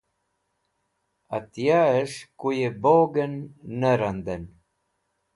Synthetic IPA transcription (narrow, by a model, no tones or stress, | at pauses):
at̪jaəʂkujeboːɡənːəɾand̪ən